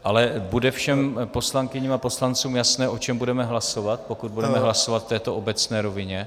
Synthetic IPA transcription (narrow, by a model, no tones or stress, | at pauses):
ʔalɛbudɛfʃɛmpo̞slaŋkɪɲiːmapo̞slant͡suːmjasnɛːʔo̞t͡ʃɛmbudɛmɛɦlaso̞vat̪̚po̞kud̪̚budɛmɛɦlaso̞vat̪ft̪ːɛːt̪o̞ʔo̞bɛt͡snɛːɾo̞vɪɲɛ